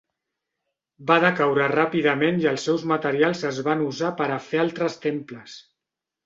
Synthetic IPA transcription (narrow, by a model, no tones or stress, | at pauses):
baðəkawɾərapiðəmenjəlˠsːɛwzmət̪əɾialˠzəzβanuzapəɾəfealˠt̪ɾəst̪empləs